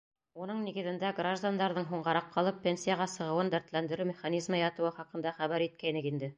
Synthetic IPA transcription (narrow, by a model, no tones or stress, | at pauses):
unɤɴniɡɘ̆ðɘ̆nd̪æɡraʒd̪and̪ɑɾðɤɴɦuɴʁɑɾɑqʰːɑlˠɤpʲːenʲsʲijaʁɑsɤ̆ʁɤ̆wɤnd̪æɾt̪lænd̪ɘ̆ɾɘmʲɪχanʲizmɑjɑt̪ɤ̆wɤχɑqɤ̆nd̪ɑχæβæɾit̪̚kæjnɘkind̪ɘ